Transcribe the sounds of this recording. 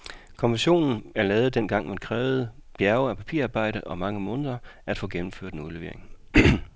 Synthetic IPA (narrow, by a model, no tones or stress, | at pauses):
kʰɒ̽nʋenɕo̝̰ːnn̩æɐlɛːð̩ˠd̥en̰ɡ̥ɑ̈ŋ̰mænkʰʁɛːʊð̞̩ˠb̥jæɐʊɒpʰæpʰḭɐɑ̈ːb̥ɑ̈ɪ̰ɾ̥əʔɒ̽mɑ̈ŋəmɔ̽ːnð̞ˠɐʔæd̥fɔ̰̽ːɡ̥emm̩føɐ̰d̥enuðˠleʋe̝ɐe̝ŋ